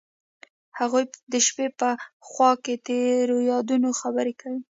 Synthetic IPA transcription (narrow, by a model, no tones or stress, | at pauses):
haɣujd̪əʃpepəxwɑket̪eɾojɑd̪unoxabəɾekawi